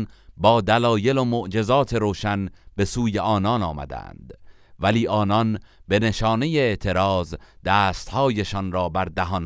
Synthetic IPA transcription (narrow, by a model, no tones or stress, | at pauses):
nbɒːd̪ælɒːje̞lomoʔd͡ʒe̞zɒːt̪ʰe̞ɾoːʃænbe̞suːjeʔɒːnɒnɒːmæ̰d̪æ̰æ̰nd̪̥ | væliːʔɒːnɒnbe̞ne̞ʃɒːne̞jeeʔt̪ʰe̞ɾɒːzd̪̥æːst̪hɒːjeʃɒnɾɒːbæɾd̪æɦɒːn